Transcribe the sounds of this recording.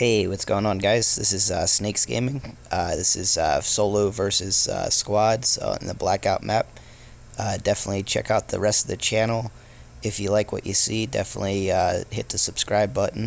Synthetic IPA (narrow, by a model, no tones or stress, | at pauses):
heɪwʌtsɡ̥oʊɪ̃ŋə̃nɡaɪz̥ðɪsɨzʌsneɪksɡ̥ḛ̃ɪ̃mɪ̃ŋʌðɪsɨz̥ʌ̰soʊlˠoʊvɜ˞sɨz̥ʌ̰skwɑdz̥̰̃n̩ðəblækaʊt̚mæp̚ | ʌdɛfənətˡlit͡ʃʰɛ̰kaʊt̪̚ðɨ̰ɹɛstʌvðɨt͡ʃʰænl̩ˠ | ɨfjɨlaɪkwʌ̰t͡ʃɨsidɛ̰fənə̰tˡliʌhɪt̪̚ðɨsɨb̥skɹaɪbʌʔn̩